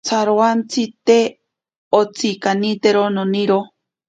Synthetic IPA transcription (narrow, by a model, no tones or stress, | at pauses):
t͡sʰaɾoant͡sit̪e | ot͡sʰikanit̪eɾononiɾo